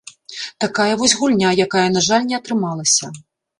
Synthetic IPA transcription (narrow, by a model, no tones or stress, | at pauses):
t̪akajɐvɔsʲɣulʲnʲajakajɐnaʐalʲnʲɛɐt̪ɾɨmalˠɐsʲɐ